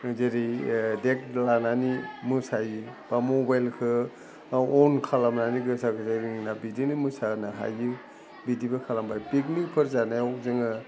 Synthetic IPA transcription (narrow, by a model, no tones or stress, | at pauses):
zeɾidek̚lananimɯsajɯb̥amobajlkʰɯ | ɔnkʰalamnaniɡɯsakɯsajɾininabidinimɯsanaɦa̰ji | bidibɐkʰalambajpik̬nikpʰɯɾzanajawzɯŋɯ